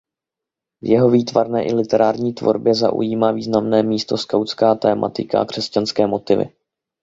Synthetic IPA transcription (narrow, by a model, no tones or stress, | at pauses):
vjɛɦo̞viːt̪vaɾnɛːʔɪlɪt̪ɛɾaːɾɲiːt̪vo̞̰ɾbjɛza̰ʔṵjiːmaːviːznamnɛːmiːst̪o̞skawt͡skaːt̪ɛːmʔa̰t̪ɪka̰akr̝̥ɛscanskɛːmo̞t̪ɪvɪ̰